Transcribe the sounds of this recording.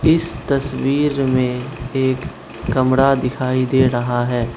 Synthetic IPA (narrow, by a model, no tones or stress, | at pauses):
ɪst̪ɐswiːɾmẽeːkː | ɐmɽad̪ɪkʰaːid̪eːɾɐɦaɦɛː